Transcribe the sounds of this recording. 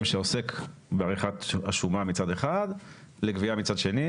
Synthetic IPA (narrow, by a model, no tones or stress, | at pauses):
mʃeosekbeaʁiχat̪aʃumamit͡sade̞χad̪ | leɡviamit͡sadʃe̞ni